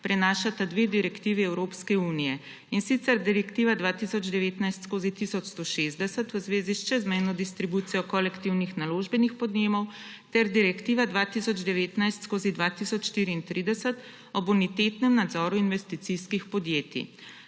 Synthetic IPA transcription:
pɾɛnaːʃat̪ad̪ʋeːd̪iɾɛkt̪iːʋiɛwɾoːpskɛuːnijɛ | insit̪sɛɾd̪iɾɛkt̪iːʋad̪ʋaːt̪isɔd͡ʒd̪ɛʋeːt̪najst̪skoːzit̪isɔt͡ʃst̪oʃezd̪ɛsət̪wəzʋeːziʃt͡ʃɛzmɛjnɔd̪ist̪ɾibuːt̪sijɔkɔlɛkt̪iwnixnaloːʒbɛnixpɔd̪neːmɔw | t̪ɛɾd̪iɾɛkt̪iːʋad̪ʋaːt̪isɔd͡ʒd̪ɛʋeːt̪najst̪skoːzid̪ʋaːt̪isɔt͡ʃʃt̪iːɾiːnt̪ɾʔid̪ɛsət̪ | ɔbunit̪et̪nɛmnad̪zɔːɾuinʋɛst̪it̪siskixpɔd̪jeːt̪ḭ

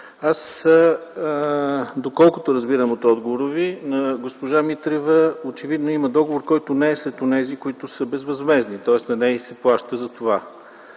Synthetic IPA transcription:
as | d̪okɔlˠkot̪oɾɐzbiɾəmot̪ɔd̪ɡovoɾovinɐɡospoʒamit̪ɾɛvəot͡ʃɛvid̪noimɐd̪ɔɡovoɾkɔjt̪onɛːslɛt̪onɛzikoit̪ʊsəbɛzvɐzmɛznit̪ɔɛsnɐnɛisɛplˠaʃt̪əzɐt̪ova

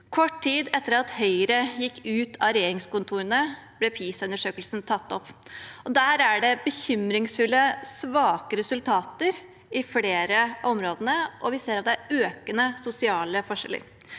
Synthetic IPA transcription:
kʰɔʈtiːd̪ɛt̪ːəɾɑt̪hœʏəɾəjɪkːʉːt̪ʰɑɾɛjeːɾɪŋskʊnt̪ʰuːɾənəb̥lɛpʰiːsʉnəʂøːkəlsnt̪ʰɑt̪ːɔpːɔd̪æːɾæɖɛbəçʏmɾɪŋsfʉlːəsʋɑːkəɾɛsʉlt̪ʰɑːt̪əɾ | ɪfleːɾəʔɔmɾoːd̪ənəʔɔʋɪseːɾɑt̪̚d̪ɛæɾøːkənəsʊsɪɑːləfɔʂɛ̰lə̰ɾ

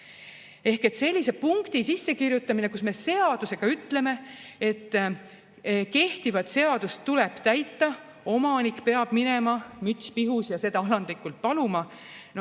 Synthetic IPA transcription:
e̞hke̞t̪se̞lʲːise̞puŋkt̪isisːekirjut̪ˑːɑmine̞kusme̞se̞ɑd̪̥use̞ɡ̥ɑyt̪ːle̞me̞e̞t̪ːˑ | ke̞ht̪ivɑt̪se̞ɑd̪̥ust̪ːule̞b̥t̪æjt̪ːɑ | o̞mɑnikːpe̞ɑb̥mine̞mɑmyt̪spiɦusjɑse̞d̪ɑɑlɑnd̪likˑult̪̚pɑlumɑ | n

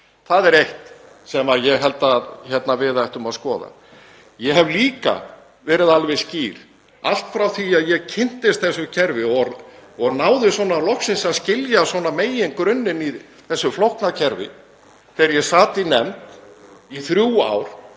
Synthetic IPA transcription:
θaðɛɾejht̪ | sɛmajɛɣɦɛlt̪açɛt̪navɪːðaɛht̪ʏmaðskɔːða̰ | jɛɦɛvliːka̰ | vɛːɾɪðalvɪsciːɾ̥ | a̰l̥t̪fɾawθiaðjɛɣcʰɪn̥t̪ɪst̪̚θɛsːʏcʰɛɾvɪɔɔɣnaːwðɪsvɔːnalɔhksɪnsascɪljasɔːnameːjɪŋkɾʏnːɪni | θɛsːʏflɔwht̪nacʰɛɾvɪ̰ | θɛɾjɛsaːt̪ɪinɛmt̪iθɾjuːa̰ːwɾ̥

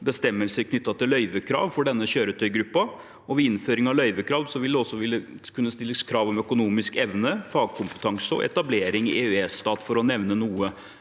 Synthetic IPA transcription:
bəst̪ɛmːəlsəɾkʰnʏt̪ːɑt̪ɪlœʏʋəkʰɾɑ̰ːʋfɔɖɛnːəɕøːɾət̪ʰœʏɡɾʉpːɑ | ɔʋɛɪnføːɾɪŋɑlœʏʋəkʰɾɑːʋd̪sɔʋɪld̪ɛɔsːɔʋɪlːə | kʰʉnːəst̪ɪlːəskʰɾɑːʋɔmœkʊnuːmɪskɛʋnəfɑːɡ̚kʰʊmpə̥t̪ʰɑŋsəɔ̰ʔɛ̰t̪ɑbleːɾɪŋɪ̰ʔeʉɛːst̪ɑːt̪fɔɾɔnɛʋnənuːə

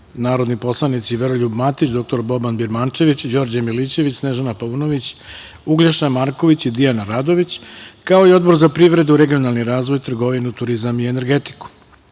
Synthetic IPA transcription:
naːɾo̞d̪nipo̞slˠanit̪siʋe̞ɾoʎubmat̪it͡ɕd̪o̞k̚t̪o̞ɾbo̞banbiɾmant͡ʃe̞ʋit͡ɕd͡ʑo̞ɾd͡ʑamilit͡ɕe̞ʋit͡ɕsneʒanapauno̞ʋit͡ɕ | uɡlaʃnamaɾko̞ʋit͡ɕid̪ijanaɾaːd̪o̞ʋit͡ɕkao̞io̞d̪bo̞ɾzapɾiʋɾe̞d̪uɾe̞ɡio̞nalˠniɾaːzʋo̞jt̪r̩ɡo̞ʋinut̪uɾizamie̞ne̞ɾɡe̞t̪i̥ku̥

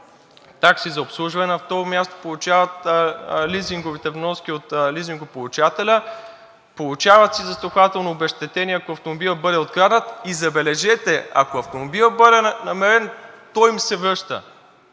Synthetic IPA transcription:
t̪aksizɐopslˠuʒvɐnɛnɐft̪ɔɾomʲjast̪o̥polˠut͡ʃavɐt̪liziŋɡovit̪ɛvnɔskʲiot̪liziŋɡopolˠut͡ʃat̪ɛlʲə | polˠut͡ʃavɐt̪sizɐst̪ˠoxvat̪ɛlˠnoːbɛʃt̪ɛt̪ɛniɐkoɐft̪omobilˠəbɤd̪ɛot̪̚ɡɾad̪ət̪izɐbɛlɛʒɛt̪ɛɐ̰koɐft̪omobilˠəbɤd̪ɛnɐmɛɾɛnt̪ɔjimsɛvɾəʃt̪ə̰

